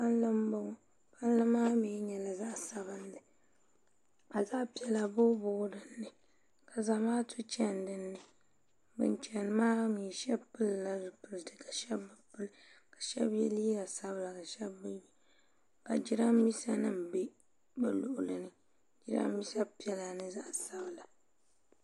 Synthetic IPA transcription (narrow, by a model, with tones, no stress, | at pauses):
pa˦n˦lɨ˦m˦ba˦ŋ˦ | pa˦n˦lɨ˦mːaː˦mi˨˦ɲɛ˨la˨za˦ʔsa˨βɨ˦n˦dɨ˨ | ka˨za˦ʔpi˨ɛ˨la˨bo˦bʊ˦ɡdɨ˨nːɨ˨ | ka˨za˨maː˦tʰu˦t͡ʃɛ˦n˨dɨ˨nːɨ˨ | bɨ̰˨˦n˦t͡ʃɛ˨n˨maː˦ŋi˨ʃɛ˦pɨ˦lla˦dʊ˨pɨ˨ltɨ˨ka˨ʃɛ˦bːɨ˨pɨ˦lkḁ˨ʃɛ˦bjɛ˦li˦ja˨sa˦bɨ˦˨la˨ka˨ʃɛ˦bː | ka˨d͡ʒi˦ɾa˦mi˦sa˦nɨ˦˨m̩˨be˦ | bɨ˦lʊ˨ʔʊ˨lɨ˨nɨ˨ | d͡ʒi˦ɾa̰˦mmi˦sa˦pi˨ɛ˨˦la˨nɨ˦za˦ʔsa˦bɨ˨la˨